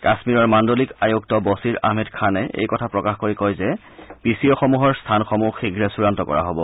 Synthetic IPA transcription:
kasmiɹɔɹmandolikajuk̚tɔbosiɹa̰ɦmɛdkʰanɛḛjkɔtʰapɹɔkaxkoɹikojzɛ | pisiɔxɔmuɦɔɹstʰanxɔmuxiɡʱɹɛsuɹantɔkɔ̰ɹa̰ɦobɔ

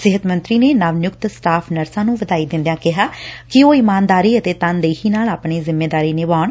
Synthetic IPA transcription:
sɪɦət̪mə̃nt̪ɾiːneːnaʋnjʊkt̪sʈaːpʰnəɾsãːnũːʋəd̪aːiːd̪ɪ̃nd̪jãːkɪɦaːkɪoːɪːmaːnd̪aːɾiːət̪eːt̪ənd̪eːɦiːnaːlaːpɳeːzɪmːeːd̪aːɾiːnɪʋaːɳ

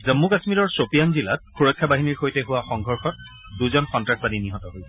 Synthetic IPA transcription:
zəmːukasmiɹɔɹsopijanzilat̚xuɹɔkʰːjabaɦiniɹxojtɛɦuwaxɔŋɡʱɔɹxɔt̚ | duzɔnxɔntɹak̚baniniɦɔtɔɦojsɛ

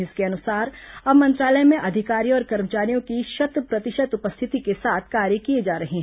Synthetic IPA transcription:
ɪskeɐnʊsaːɾɐbmɐ̃nt̪ɾaːləjmẽʔɐd̪ʱɪkaːɾijõɔːɾkɐɾmət͡ʃaːɾijõkiʃɐt̪ɾəpɾɐt̪ɪʃət̪ʊpəst̪ʰɪt̪ikesaːt̪ʰkaːɾjəkied͡ʒaːɾɐɦeɦɛ

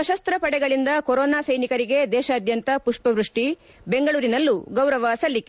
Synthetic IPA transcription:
ɐʃɐst̪ɾɐpɐɽɛɡɐɭind̪ɐkoɾɔːnaːsɐjnikɐɾiɡe̞d̪ɛːʃɐːd̪jɐnt̪ɐpuʂpɐʋɾuʂʈi | be̞ŋɡɐɭuːɾinɐlːuɡɐwɾɐʋɐsɐlːik

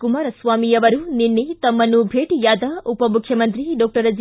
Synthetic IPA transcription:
kumaːɾɐsʋaːmijɐʋɐɾuninːet̪ɐmːɐnubʱeːʈijaːd̪ɐupɐmukʰjɐmɐnt̪ɾiɖɔːk̚ʈɐɾɐd͡ʒ

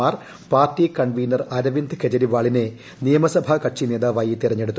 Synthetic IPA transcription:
aːr | paːrtːikɐɳʋiːnɐrɐɾɐʋind̪ɨked͡ʑɐɾiʋaːɭine | nijɐmɐsɐbʱɐkɐʈʂine̞ːd̪aːʋaːjit̪irɐɲːeɽut̪ː

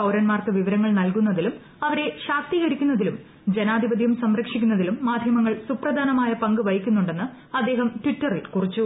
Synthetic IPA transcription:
ɐwɾɐnmaːrkɨʋiʋɐɾɐŋːɐɭnɐlkunːɐðilum | ɐʋɐɾe̞ɕaːk̚t̪iɣɐɾikʲːunːɐðilum | d͡ʑenaːd̪ʱibɐd̪ʱjɐmsɐmɾɐkʂikʲːunːɐðilumːaːd̪ʱjɐmɐŋːɐɭsuprɐd̪ʱaːnɐmaːjɐpɐŋɡɨʋɐjikʲːunːuɳɖe̞nːɨ | ɐd̪ːe̞ːɦɐmtʋitːɐrilkurit͡ɕːu

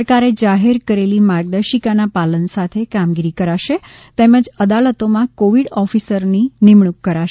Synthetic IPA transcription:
kaɾed͡ʒaɦeɾkəɾelimaɾɡ̚d̪əɾʃikanapalənsat̪ʰekamɡiɾikəɾaʃe | t̪eməd͡ʒəd̪alət̪omãkoʋiɽɔfisəɾninɪmɳukːəɾaʃ

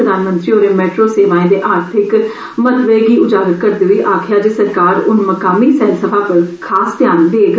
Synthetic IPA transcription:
əd̪aːnmə̃nt̪ɾiːoːɾeːmɛːʈɾoːseːʋãːẽːd̪eːʔaːɾt̪ʰɪk | mət̪ʋeːɡiːʊd͡ʒaːɡət̪kəɾd̪eːɦʊiːʔaːkʰjaːd͡ʒeːsəɾkaːɾʊnməkaːmiːsɛːlsəbaːpəɾkʰaːsd̪jaːnd̪eːɡ

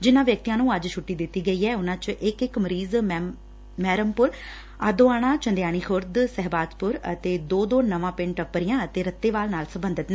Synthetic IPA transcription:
d͡ʒɪnãːʋjək̚t̪ijãːnũːəd͡ʒʃʰʊʈːiːd̪ɪt̪ːiːɡəiːɦɛːʊnãːt͡ʃʔɪkɪkməɾiːz | mɛːɾəmpʊɾ | aːd̪oːaːɽãːt͡ʃənd̪jaːɽ̃iːkʰʊɾd̪sɛɦbaːd̪pʊɾət̪eːd̪oːd̪oːnəʋãːpɪ̃ɳʈəpːəɾijãːət̪eːɾət̪ːeːʋaːlnaːlsəbənd̪ət̪nɛː

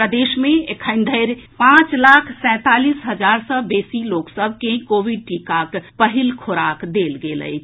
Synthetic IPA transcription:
pɾəd̪esmeekʰəɪnd̪ʱəɪɾpãt͡ʃlakʰsɛ̃t̪alisɦəd͡ʒaɾsəbesiloksəbʱkekoʋiɖ̚ʈikakpəɦilkʰoɾakd̪elɡelə̰ɪt͡ʃʰ

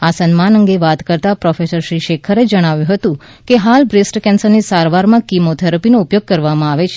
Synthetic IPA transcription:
asənmanəŋɡeʋat̪kəɾt̪apɾɔfesəɾʃɾiʃekʰəɾed͡ʒəɽ̃aʋjũɦət̪ũ | keɦalbɾesʈkɛnsəɾnisaɾʋaɾmãkimot̪ʰəɾpinoupjoɡ̚kəɾʋamãaʋet͡ʃʰ

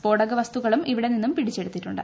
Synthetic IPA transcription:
po̞ːɽɐɡɐʋɐst̪uɣɐɭumiʋiɽe̞ninːumpiɽit͡ɕːe̞ɽut̪ːiʈːuɳɖɨ̰

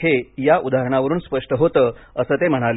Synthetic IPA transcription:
ejaʔud̪aɦɾəɳ̃aʋəɾuːnspəʂʈəɦot̪əːəsəːt̪em̤əɽ̃al

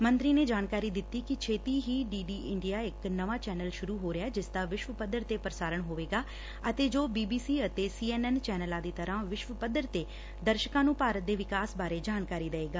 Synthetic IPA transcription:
mənt̪ɾiːneːd͡ʒaːnkaːɾiːd̪ɪt̪ːiːkɪt͡ʃʰeːt̪iːɦiːɖiːɖiːʔɪɳɖijaːɪknəʋaːt͡ʃɛːnəlʃʊɾuːɦoːɾɪɛːd͡ʒɪsd̪aːʋɪʃʋəpəd̪əɾt̪eːpɾəsaːɾəɳɦoːʋeːɡaː | ət̪eːd͡ʒoːbiːbiːsiːət̪eːsiːɛːnɛːnt͡ʃɛːnəlãːd̪iːt̪əɾãːʋɪʃʋəpəd̪əɾt̪eː | d̪əɾʃəkãːnũːpaːɾət̪̚d̪eːʋɪkaːsbaːɾeːd͡ʒaːnkaːɾiːd̪eeːɡaː

